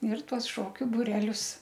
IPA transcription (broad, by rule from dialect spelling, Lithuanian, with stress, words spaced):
ɪr ˈtuɔs ˈʃoːkʲʊ bʊˈrʲæːlʲʊs